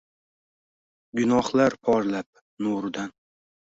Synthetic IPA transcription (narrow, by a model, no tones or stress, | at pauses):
ɡʊnɒhlaɾpʰɒɾlap̚ | noɾɪd̪an